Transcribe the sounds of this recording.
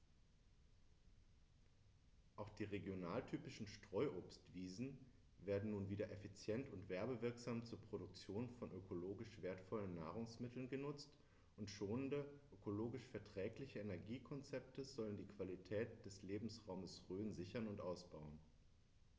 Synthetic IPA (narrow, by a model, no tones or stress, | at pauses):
ʔaʊxd̥iːʁeɡjonaːltʰyːpɪʃn̩ʃtʁ̥ɔʏʔoːpstv̥iːzn̩ | veːɐdn̩nuːnviːdɐʔefit͡sjɛntʊntv̥ɛɐbəvɪɐkz̥aːmt͡suːɐpʁ̥oɾʊk̚t͡sjoːnfɔnʔøkʰoloːɡɪʃv̥eːɐtfɔlənːa̰ːʁʊŋsmɪtʰl̩nɡənʊt͡st | ʔʊntʃoːnəndəʔøkoloːɡɪʃfɛɐtʁ̥ɛːklɪçəenɛɐɡiːkʰɔnt͡sɛp̚təzɔləndiːkv̥alitʰɛːt̚d̥ɛsleːbm̩sʁaʊməsʁøːnzɪçɐnʊntʔaʊsb̥aʊən